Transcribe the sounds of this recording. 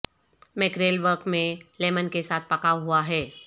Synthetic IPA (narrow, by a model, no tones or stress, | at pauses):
mɪkɾeːlʋəɾkmẽleːmənkesaːt̪̚ʰpɐkaɦuaɦɛː